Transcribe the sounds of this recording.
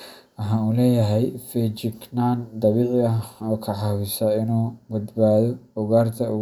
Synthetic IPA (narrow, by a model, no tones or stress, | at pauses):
ɐɦaːuːlɛːjɐɦɛjfɛt͡ʃɪknaːnd̪ɑβiːʕɪɐɔːkʰɐʕɑwɪsɐɪnuːbɐd̪baːðɔʊɣaːrt̪ʰɐʊ